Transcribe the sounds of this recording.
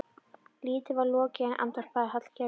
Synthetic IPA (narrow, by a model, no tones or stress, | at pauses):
liːt̪ɪvaɾlɔːcɪɛnʔa̰nt̪aɾ̥paðɪɦat̪l̥ca